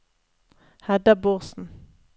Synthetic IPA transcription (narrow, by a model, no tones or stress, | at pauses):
hɛd̪ɑboʁsn̩